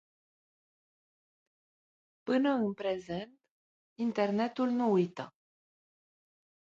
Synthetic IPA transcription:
pɨnəɨnpɾezent̪ | int̪ernet̪ulnuujt̪ə̰

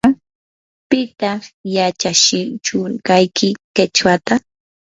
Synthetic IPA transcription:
pɪt̪ɑχjat͡ʃaʃɪt͡ʃʊɾkajkʰɪket͡ʃwat̪a

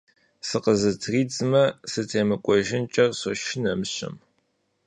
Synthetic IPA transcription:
sɨqəzɨtʰriːt͡sʼmɐsɨtʰeːmɨkʷʼɔʒɪnt͡ʃʼɐrsoʃɪnɐmɕɐ̰m

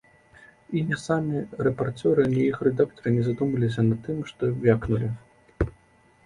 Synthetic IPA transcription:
inʲɛsamʲirɛpart͡s̪ʲɔɾɨnʲɛjixrɛd̪ak̚t̪ɐɾɨnʲɛzad̪umɐlʲis̬ʲɐnat̪̚ːɨmʂt̪ɔvʲaknulʲi

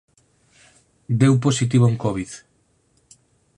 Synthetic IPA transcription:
d̪ewp̬osit̪̬iβoŋkoβið

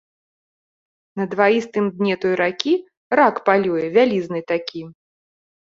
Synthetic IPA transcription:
nɐd̪vaist̪ɨmd̪ʲnʲɛt̪ɔjɾakʲi | rakpalʲujɛvʲalʲiznɨt̪akʲi

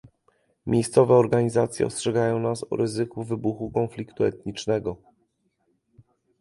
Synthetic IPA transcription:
mʲʔejst̪sɔvɛɔɾɡaɲizat̪sʲjɛ̰ɔ̰stʂɛɡajɔ̃w̃nasɔ̰ɾɘzɘkuvɘbuxukɔnflʲikt̪uɛ̰t̪̚ɲit͡ʂnɛɡɔ

